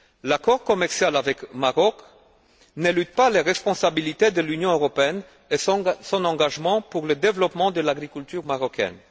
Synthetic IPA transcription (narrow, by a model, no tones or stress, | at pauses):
lakɔʁkɔmɛʁsjalavɛkmaʁɔk | nelyt̪paleʁɛspɔ̃sabilit̪ed̪əlynjɔ̃øʁɔpeɛn | esɔ̃nɑ̃ɡaʒmɑ̃puʁləd̪evlɔpmɑ̃d̪əlaɡʁikʲylt̪yʁmaʁɔkɛ̰n